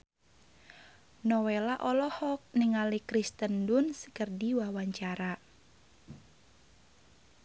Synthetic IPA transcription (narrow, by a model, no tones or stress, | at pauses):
nɔwelaʔɔlɔhɔk̚nɪŋalikɾist̪əndunsə̥kərdiwawaɲt͡ʃaɾa